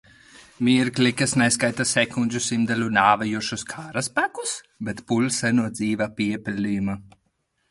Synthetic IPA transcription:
miɛɾklʲikasnɛskajt̪asɛkunʲd͡ʒusimd̪alʲunaːvajuʃuskʰaːɾaspakus | bɛt̪pulʲsɛnuɔd̪ziːvapʲiɛpʲɛlʲiːma

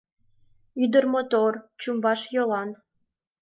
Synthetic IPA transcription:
yd̪ərmot̪ort͡ɕumbɑʃjolɑn

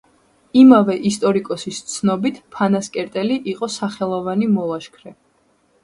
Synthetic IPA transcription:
imavɛʔist̪ʼɔɾikʼɔsist̪sʰnɔbit̪ʰpʰanaskʼɛɾt̪ʼɛliʔiqʼɔsaχɛlˠɔvanimɔlˠaʃkʰɾɛ

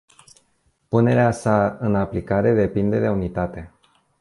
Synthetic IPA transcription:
pune̞ɾeasaɨnaplikaɾe̞d̪e̞pind̪e̞d̪e̞unit̪at̪e̞

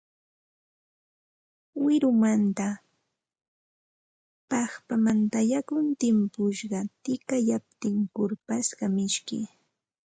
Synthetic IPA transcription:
wɪɾʊmant̪a | pɑχpamant̪ajakʊnt̪ɪmpʊʃɢɑt̪ɪkajap̚t̪ɪŋkʊɾpaskɑmɪʃkɪ̰

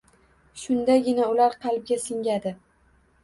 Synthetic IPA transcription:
ʃʊnd̪aɡʲɪnaʊlaɾqʰɑlˠb̚ɡʲasɪŋʲad̪ɪ

